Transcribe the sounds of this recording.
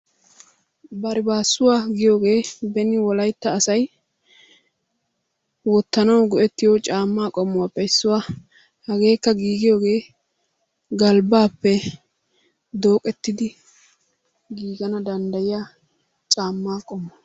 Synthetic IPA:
bɐɾɪbaːsːʊwaːɡɪjo̞ːɡe̞ːbɛnɪwɔlɐjt̪ːɐːsɐj | wɔt̪ːɐnɐwɡɔʔɛt̪ːɪjot͡ʃʼaːmːaːkʼɔmːʊwapːɛɪsːʊwa | hɐɡe̞ːkːɐɡiːɡɪjoːɡe̞ː | ɡɐlbaːpːɛ | d̪o̞ːkʼɛt̪ːɪd̪ɪ | ɡiːɡɐnɐd̪ɐnd̪ɐjɪja | t͡ʃʼaːmːaːkʼɔmːʊ

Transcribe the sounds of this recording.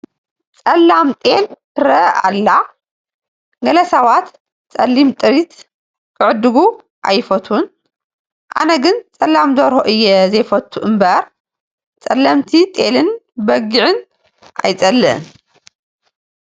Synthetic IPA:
t͡sʼɐlːamt̪ʼe̞ltɨɾɐʔa̰lːa | ɡɐlɐsɐβat̪ | t͡sʼɐlːimt̪ʼɨɾit̪ | kʰɨʕɨd̪ɨɡu | ʔa̰jfɐt̪ʰun | ʔa̰nɐɡɨnt͡sʼɐlːamd̪oɾhoʔɨjːɛzɐjfɐt̪ʰːuʔɨmbɐɾ | t͡sʼɐlːɐmt̪ʰit̪ʼe̞lɨnbɐɡiʕɨn | ʔa̰jt͡sʼɐlːɨʔɨn

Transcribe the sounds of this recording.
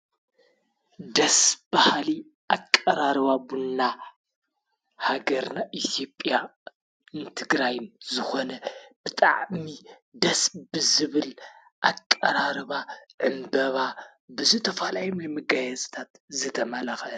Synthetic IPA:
d̪ɐsbahli | ʔakʼːɐɾaɾɨβabunːa | haɡɐɾnaʔit̪ʰjo̞pʼjja | ɨnt̪ʰɨɡɾajnzɨxo̞nɐbɨt̪ʼa̰ʕmi | d̪ɐsbɨzɨβɨl | ʔakʼːɐɾaɾɨβaʕɨmbɐβa | bɨzɨt̪ʰɐfalajunajmɨɡajɐzt̪ʰat̪zɨt̪ʰɐmɐlaxɐ

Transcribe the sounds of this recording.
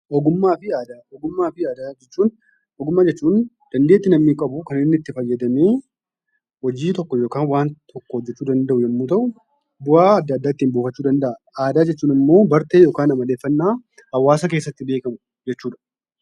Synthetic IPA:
ʔɔɡʊmːaːfɪaːd̪aːɔɡʊmːaːfɪaːd̪aːd͡ʒɛt͡ʃːuːn | ɔɡʊmːaːd͡ʒɛt͡ʃːuːn | d̪̥ɐnd̪e̞ːt̪ːɪnɐmniːkʼɐbʊkɐnɪnːɪt̪ːɪfɐjːɛd̪ɐmeː | wɔd͡ʒiːt̪ɔkːɔjo̞ːkaːnwaːnt̪ʰɔkːɔhɔd͡ʒ̪ːɛt͡ʃːuːd̪ɐnd̪ɐʔʊjɐmːuːt̪ɐʔʊ | bʊaːɐd̪ːɐd̪ːaːɪt̪ːiːmboːfɐt͡ʃːuːd̪ɐnd̪ɐʔɐ | aːd̪aːd͡ʒɛt͡ʃːuːnɪmːo̞ːbɐɾt̪eːjo̞ːkaːnɐmɐleːfːɐnːaː | hɐwːaːsɐk̬e̞ːsːɐt̪ːɪbeːkɐmʊ | d͡ʒɛt͡ʃːuːᶑɐ̥

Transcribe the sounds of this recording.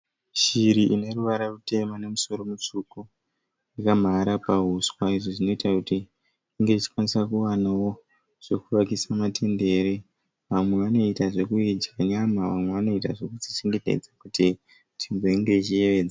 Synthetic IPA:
ʃiɾiʔine̞ruʋaɾarute̞mane̞muso̞ɾo̞mut͡ʂuko | ikam̤aɾapaɦuswaiʐoʐino̞itakutiː | ŋɡe̞it͡ʃi̥kwanisakuwanawo̞ | ʐ̥e̞kuʋakisamatʰe̞nde̞ɾe | ʋamwe̞ʋano̞itaʐe̞kuid͡ʒaɲamaʋamwe̞ʋano̞itaʐe̞kut͡ʃit͡ʃe̞ŋɡe̞te̞̰d͡zakuti | tʰimboiŋɡe̞t͡ʃije̞ʋe̞ːd͡za

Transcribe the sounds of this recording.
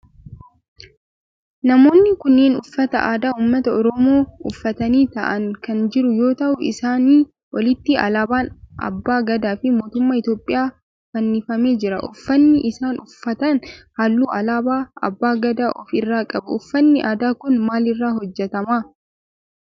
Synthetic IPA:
nɐmo̞ːnːɪkʊnːeːnʊfːɐt̪ɐʔaːd̪aːhuːmːɐt̪ɐɔɾɔmo̞ːʊfːɐt̪ɐniːt̪ɐ̰ʔɐŋkɐnd͡ʒɪɾʊjo̞ːt̪ɐʔʊʔɪ̰saːniː | wʔɔlɪt̪ːɪɐ̰laːbaːnʔɐ̰bːaːɡɐd̪aːfɪmo̞ːt̪ʊmːaːɪt̪jo̞ːpʼːɪjaː | fɐnːɪfɐme̞ːd͡ʒɪɾɐ̰ʔʊfːɐnːɪʔɪsaːnʊfːɐt̪ɐnhaːlːuːɐlaːbaːɐ̰bːaːɡɐd̪aːʔɔfɪrːaːkʼɐbʊʊfːɐnːɪʔaːd̪aːkʊnmaːlɪrːaːɦɔd͡ʒːɛt̪ɐmaː

